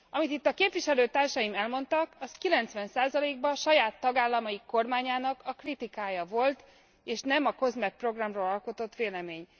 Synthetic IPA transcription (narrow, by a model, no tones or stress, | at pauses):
ɒmit̪it̪ːɒkeːpʋiʃɛløːt̪aːrʃɒjimɛlmo̞nt̪ɒkɒskilɛnt̪sʋɛnsaːzɒleːɡ̚bɒʃɒjaːt̪ːɒɡaːlːɒmɒjiko̞rmaːɲaːnɒkɒkrit̪ikaːjɒvo̞lt̪ | eːʃnɛmɒkø̞zmɛk̚pro̞ɡrɒmroːlɒlko̞t̪o̞t̪ːʋeːlɛmeːɲ